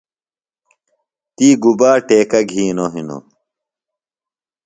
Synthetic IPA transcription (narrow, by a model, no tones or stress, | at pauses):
t̪iːɡubaːʈeːkɐɡʱiːnoɦino̰